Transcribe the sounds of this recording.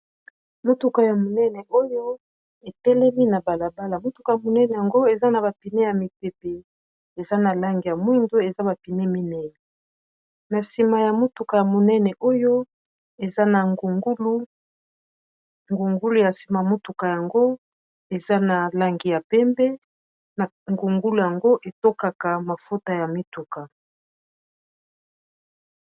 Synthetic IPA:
mo˦tu˨ka˨ja˨mo˨nɛ˦nɛ˨ʔo˦jo˦ | e˨tɛ˦lɛ˦mi˦na˨ba˨la˨ba˦la˨mo˦tu̥˨ka˨ja˨mo˨nɛ˦nɛ˨ja˨ŋɡo˦e˨za˦na˨ba˨pi˨ne˦ja˨mi˨pe˨pe˨ | e˨za˦na˨la˦ŋɡi˨ja˨mwi˦ndo˦e˨za˦ba˨pi˨ne˦mi˦nɛ˦nɛ˨ | na˨si˨ma˨ja˨mo˦tu˨ka˨ja˨mo˨nɛ˦nɛ˨ʔo˦jo˦ | e˨za˦na˨ŋ˨˦lu˦ | ŋɡu˨ŋɡu˦lu˦˨ja˨si˨ma˨mo˦tu˨ka˨ja˨ŋɡo˦ | e˨za˦na˨la˦ŋɡi˨ja˨pɛ˦mbɛ˦˨ | ŋɡu˨ŋɡu˦lu˨ja˨ŋɡo˦ʔe˨to˦ka˨ka˨ma˨fo˦ta˨ja˨mi˦tu˨ka˨

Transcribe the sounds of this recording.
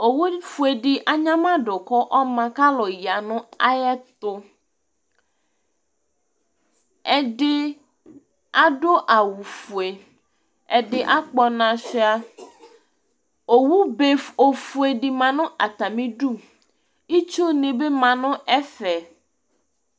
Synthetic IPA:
o˨wu˦fu˨e˨ɖɪ˨ʔa˨ɲã˦mã˦ɖʊ˨kɔ˦ʔɔ˦mã˨ka˦lɔ˨ji˨a˨nʊ̃˦a̰˦jɛ˦t̪ʊ˦ | ɛ˦ɖɪ˦ | a˦ɖo˦ʔa˨wu˨fu˨e˨ | ɛ˨ɖɪ˨ʔa˦k͡pɔ˨nã˨sɪ˦a˨ | o˨wu˦be˨o˨fu˨e˨ɖɪ˨mã˨nʊ̃˦ʔa˨t̪a˨mĩ˦ɖu˦˨ | i˦t͡ʃo˦nẽ˨be˦mã˨nʊ̃˦ʔɛ˦fɛ˨

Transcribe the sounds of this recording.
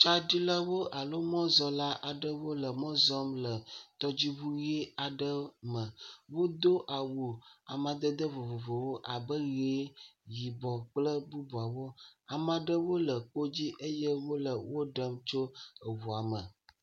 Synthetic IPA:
t͡ʃa˦ɖi˦lə˦wo˦ʔa˨lo˦mɔ̃˦zɔ˦la˦ʔa˨ɖə˦wo˦lə˨mɔ̃˦zɔ˦mlə˨t̪ɔ˦d͡ʑi˦βu˦je˦a˨ɖə˦mə̃˨wo˦d̪o˦ʔa˨wu˨a˨mã˨d̪ə˦d̪ə˦vo˨vo˨vo˨wo˦ʔa˨bə˦ɣe˨˦ji˨bɔ˨k͡plə˦bu˦bu˨a˨wo˦a˨mã˨ɖə˦wo˦lə˨k͡po˦d͡ʑi˦ʔə˦jə˦wo˦lə˨wo˦ɖə˦mt͡ʃo˦ə˨wu˨a˨mə˨

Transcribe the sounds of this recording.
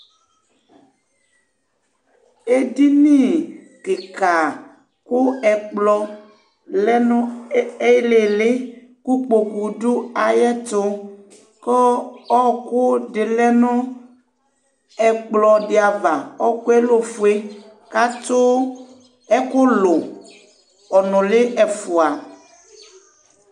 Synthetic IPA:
e˦di˦nĩ˦˨ | ke˨ka˨ | kʊ˦ɛ˨k͡plɔ˨ | lɛ˦nɔ̃˦e˦le˨le˦ | ku˦k͡po˨ku˨du˦a˨jɛ˦t̪ʊ˦ | kɔ˦ɔ˦ko˦ɖe˨lɛ˦nɔ̃˦ | ɛ˨k͡plɔ˨ɖe˨a˨va˨ɔ˦ku˦ɛ˦lo˦fu˨e˦ | ka˦t̪o˦ | ɛ˦ko˦lo˨ | ɔ˨nɔ̃˨le˦ɛ˨fu˨a˨

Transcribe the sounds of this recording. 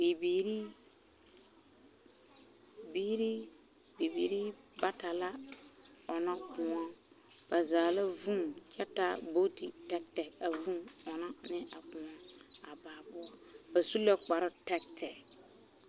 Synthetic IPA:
bi˨biː˨ɾi˦ | biː˦ɾi˦ | bi˨bḭ˨ɾi˦ba˦ta˨la˦ | ɔ˨na˦kʊ̃˨ɔ˦ | b̥a˨zaː˨la˦vu˦ŋt͡ʃɛ˦ta˦bo˦ti˨tɛ˦ktɛ˨k̚a˨vũ˦mɔ˨na˦nɪ˦ʔa˨kʊ̃˨ɔ˦a˨baː˨bʊ˦ɔ˦ba˨su˦la˦k͡pa˨ɾʊ˦tɛ˦k̚tʰɛ˨k

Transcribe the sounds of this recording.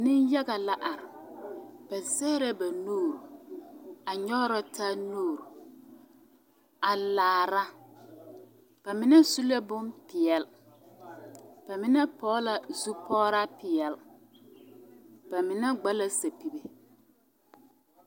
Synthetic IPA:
nɪ˦nja˦ɡa˨la˦ʔa˨ɾɪ˨ | b̥a˨sɛː˦ɾɛ˦ba˨noː˦˨ɾu˨ | a˨ɲɔ˦ɾa˦taː˦noː˦˨ɾu˨ | a˨laː˨ɾa˦ | b̥a˨mɪ˨nɛ˦su˦la˦bʊ˦mpɪ˨ɛ˨l | b̥a˨mɪ˦nɛ˦pɔ˦la˨zu˦pʰɔː˦ɾa˦pɪ˨ɛ˨l | b̥a˨mɪ˨nɛ˦ɡ͡ba˦la˦sa˨pi˨be˨

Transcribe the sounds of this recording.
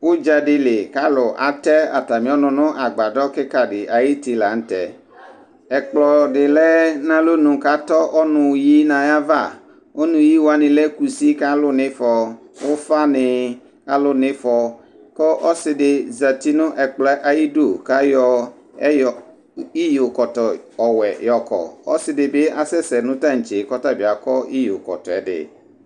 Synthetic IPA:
wo˦d͡ʒa˨ɖɪ˨le˨ka˦lʊ˨ʔa̰˨t̪ɛ˦a̰˨t̪a˨mĩ˨˦ɔ˦nʊ̃˨nʊ̃˦ʔa˨ɡ͡ba˨ɖɔ˦ke˦ka˨ɖɪ˨ʔa˨ji˦t̪i˨la˨ŋ̩˦t̪ɛ̰˨ | ɛ˨k͡plɔ˨ɖɪ˨lɛ˦nã˦lo˦nʊ̃˨ka˦t̪ɔ˦ʔɔ˦nʊ̃˨ji˦nã˨ja˦va̰˦˨ | wo˦nũ˨ji˦wo˦a˦nĩ˨le˦ku˨si˦ka˦lʊ˦nɪ̃˦fɔ˨ | wʊ˦fa˦nɪ˨ | ka˦lʊ˦nɪ̃˦fɔ˨ | kɔ˦ʔɔ˦sɪ˨dɪ˨za˨ti˦nʊ̃˦ʔɛ˨k͡plɛ˦ʔa˨ji˦do˦˨ka˦jɔ˨ | ɛ˦jɔ˨ | i˦jo˨kɔ˨tɔ˨ɔ˨wɛ˨jɔ˨kɔ̰˨ɔ̰˦sɪ˨dɪ˨bɪ˦a˨sɛ˦sɛ˨nʊ̃˦tã˦ŋ̩˨t͡ʃe˨kɔ˦ta˦bi˨a˨kɔ˦i˦jo˨kɔ̰˨tɔ̰˨ɛ̰˨dɪ̰˨

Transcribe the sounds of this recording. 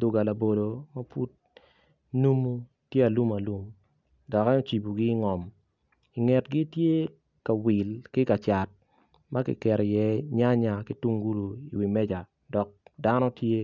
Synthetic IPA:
dʊ˨ɡa˨la˨bo˨do˨ma˦pṵ˦t̚ | nu˦mu˦ | tje˦a˨lu˦ma˨lu˦m | dɔ˨ka˦o˦t͡ʃi˨bu˨ɡɪ˦ŋɔ˨m | i˨ŋɛ˨tɡɪ˦tje˦ | ka˨wi˨lkɪ˦ka˨t͡ʃa˨t̚ | ma˦kɪ̰˨kɛ˨ɾjɛ˦ɲa˦ɲa˨kɪ˦tu˦ŋɡu˦lu˨i˨wi˨mɛ˦d͡ʒa˨ | dɔ˨k̚da˦nɔ˦tje˦

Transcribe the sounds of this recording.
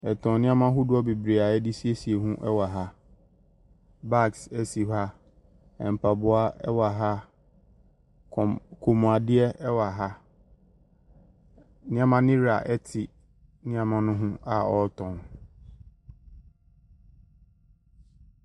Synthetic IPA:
ɛ˨tʰɔ̃˨n˦nɪ̃˦ã˦mã˦ɦʊ˦dʊ˦ɔ˦be˨bɾi˨a˨ɛ˦dɪ˦si˦e˦si˨e˨ɦũ˦ʔɛ˦wa˨ɦa˦ | ba˦˨ksɛ˨si˨ɦa˦ | ɛ̰˨m̩˨pʰa˨bʊ˨a˦ɛ˦wa˨ɦa˦˨ | kʰo˨mũ˨a˨dɪ˦ɛ˦ɛ˦wa˨ɦa˦ | nɪ̃˦ã˦mã˦nɪ̃˦ɾa̰˨ʔɛ˦tʰɪ˨ | nɪ̃˦ã˨mã˦nʊ̃˦ɦʊ̃˦a˨ɔ˨˦tʰɔ̃˨n

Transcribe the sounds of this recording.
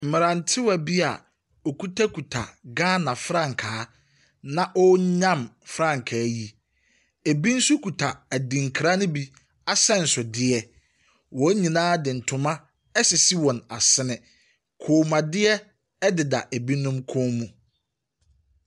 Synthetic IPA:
m̩˨mɪ˨ɾã˨n˨tʰɪ˦wa˨bi˦a̰˨ | ɔ˨kʰu˦tʰa˦kʰu˨tʰa̰˨ɡãː˦nã˨fɾã˦˨ŋ̩˨kʰaː˨˦ | nã˦ʔɔ˦ɲã˦˨mfɾã˦˨ŋ˨kʰaː˨˦ji˦ | e˨bi˦n̩˦su˦kʰu˨tʰa˨æ˨dĩ˨ŋ˨kʰɾa˦nʊ̃˦bi˦ | a˦sɛ̃˦n̩˨sʊ˨dɪ˦ɛ˨ | wɔ˨˦ɲĩ˨nãː˦dɪ˨n̩˨tʰʊ˨mã˦ | ɛ˦sɪ˨si˦wɔ̃˨na˨sɪ˦nɪ̃˨ | kʰoː˨mã˨dɪ˦ɛ˦ | ɛ˦dɪ˨da̰˨ʔe˨bi˦nʊ̃˦mkʰõː˦mũ˨

